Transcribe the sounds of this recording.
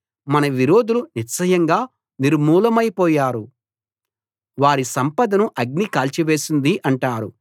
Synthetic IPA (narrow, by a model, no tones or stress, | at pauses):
mɐnɐʋiɾo̞ːd̪uluniɾt͡ʃɐjɐŋɡaː | niɾmuːlɐmɐjpɔːjaːɾu | ʋaːɾisɐmpɐd̪ɐnuʔɐɡ̚nikaːlt͡ʃiʋe̞ːsind̪iʔɐɳʈaːɾu